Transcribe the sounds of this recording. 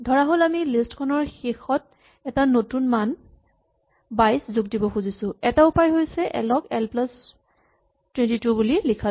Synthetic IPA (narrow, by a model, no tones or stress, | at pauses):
dʱɔɹaɦolamilistkʰɔnɔɹxexɔt̚ | ɛtanotunman | bajszuɡ̚dibɔxuzisʊ̃ɛtaupajɦojsɛʔɛ̰lɔkɛlplas | twɛntitubulilikʰa